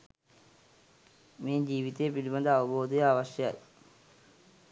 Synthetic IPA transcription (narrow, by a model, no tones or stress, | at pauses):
meːnd͡ʑiːʋit̪ːeːpiliʋɐnd̪ɐɐʋɐboːd̪ijaːʋɐɕjɐjɐ̰j